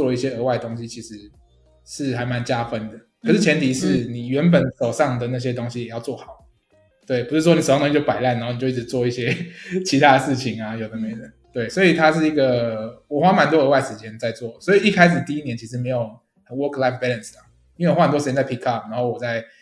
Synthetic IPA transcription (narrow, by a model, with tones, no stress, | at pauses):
t͡swɔ˥˧lə˩i˥˩ɕjɛ˥ə˧˦wa˥ɪd̪ə˩t̪o˥ŋɕi˦t͡ɕʰi˧˥ʂɻ̩˧˦ | ʂɻ̩˥˩xa˧˥ɪma˧˦nt͡ɕja˦fə˦˥nd̪ə˨kʰʂɻ̩˥˩t͡ɕʰjɛ˧˥nt̪ʰi˨˧˦ʂɻ̩˥˧˥ni˨˩ɥɛ˧˥np̬ə˨˩˦nʂo˨˩ʊʂɑ˥˩ŋd̪ə˩na˥˩ɕ̬jɛ˦t̪o˥ŋɕi˦jɛ˨˩jɑ˥˧ʊt͡swɔ˥˩xɑ˨˩˦ʊ | t̪we˥˩ɪpu˧˥ʂɻ̩̬˥˩wɔ˥ni˨˩˨t̪t͡ɕo˥˩pa˨˩ɪla˥˩nːa˧˥xni˨t͡ɕʊi˥˧˩ʈ͡ʂ̩ɻ̩˨˧t͡swɔ˥˧i˥˩ɕjɛ˦t͡ɕʰi˧˥a˦də˨ʂɻ̩˥˩t͡ɕʰi˨˩ŋa˨jo˨˩ʊd̪ə˦me˧˥ɪt̪ə˨˩˦nt̪we˥˩ɪswɔ˧˥i˨˩t̪ʰa˥˦ʂɻ̩˥˩i˧˥ɡə˨wɔ˨˩xwa˥ma˨˧nt̪wɔ˥˦ə˧˥wa˥˩ɪʂɻ̩˧˥t͡ɕjɛ˦˥nt͡sa˥˧ɪt͡swɔ˥˩swɔ˧˥i˨˩i˥˩kʰa˥ɪʂ̬ɻ̩˨˩t̪i˥˧i˥njɛ˧˦nt͡ɕʰi˧˥ʂ̬ɻ̩˧me˧˥ɪjo˨˩ʊ | ə˨˦nwɔ˦˥kla˧˥fbɛ˥lə˨nsla˩ | i˥nwe˥˩˨wa˥˩ə˨t̪ɔ˥ʂɻ̩˧t͡ɕɛ˧˥t͡sa˥˩ɪi˥kʰɑ˥˨˩pna˧˥nxo˥˩wɔ˨˩t͡sa˥˩ɪ